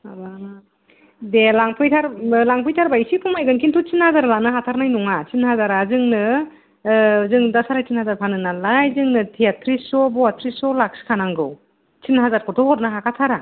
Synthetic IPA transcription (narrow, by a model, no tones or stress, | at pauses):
aba | delaŋpʰɯjtʰaɾlaŋpʰɯjtʰaɾbaisipʰuŋmajɡɯnkintʰut͡ʃinhazaɾlanɯɦatʰaɾnajnuŋat͡ʃinhazaɾazɯŋnɯ | zɯŋdasaɾajt͡ʃinhazaɾpʰanɯnalajzɯŋnɯtʰiatʰɾisɔbɔatʰɾisɔlakskʰanaŋɡɯw | t͡ʃinɦazaɾkʰɔtʰɔhɔɾnɯɦakʰatʰaɾa